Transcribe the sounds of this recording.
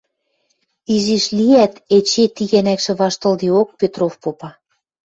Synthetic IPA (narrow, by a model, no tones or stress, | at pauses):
iʒiʃliæt̪et͡ɕet̪iɣænækʃĕβɑʃt̪ɤ̆ld̪iok̚pet̪rofpopɑ